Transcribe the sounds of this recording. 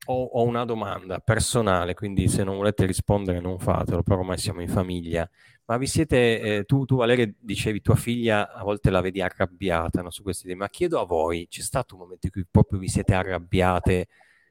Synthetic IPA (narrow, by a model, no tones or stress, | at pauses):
ɔɔunad̪oma̰nd̪apersonaːlekwind̪isenːoɱvoleːt̪eɾispond̪eɾenoɱfa̰ːt̪elopeɾɔmajsja̰ːmoiɱfamiʎːa | mavːisjɛːt̪et̪ut̪uvaleːɾed̪it͡ʃeːvit̪uːafiʎːaavːɔlt̪elaveːd̪iarːabjaːt̪anɔsukwest̪id̪ɛːmmakːjɛːd̪oavɔjt͡ʃɛst̪aːt̪oumːoment̪oĩŋkujpɾɔːpɾjovisjɛːt̪earːabːjaːt̪e